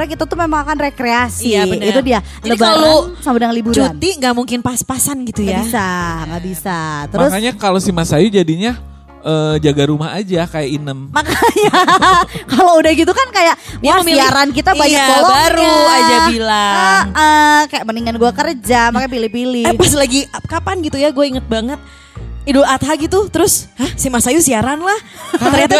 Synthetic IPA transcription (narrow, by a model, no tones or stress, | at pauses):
ɾakit̪at̪umemaŋakanrekɾeasinɡit̪udia | ləbalosamadaŋlibut͡ʃɾunt̪iŋɡaʔmuŋkɪnpaspasanɡit̪ujɡaabisaŋɡaʔbisat̪əɾmɾʊsaɲakalosimasajud͡ʒadiɲa | ʔəːd͡ʒaɡaɾumaad͡ʒakajaʔinəmmakaja | kaloudahɡit̪̬ukankajaʔwasiaɾankit̪abaɲabɔlɔbaɾuad͡ʒabilaəʔəkajaʔməniŋanɡuakərd͡ʒamakapilɪhpilɪbas̬laɡiap̚kapanɡit̪ujaɡuaiŋət̪̚baŋət̪̚ | iduat̪ɦaɡit̪ut̪əɾʊshahsimasajusiaɾanlaht̪əɲat̪a